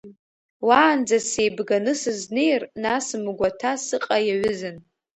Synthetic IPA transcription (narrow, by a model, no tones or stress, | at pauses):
waːnd͡zase̞jbɡanɨsɨznejrnasmɡʷatʰasɨqʼajaɥʊzɨn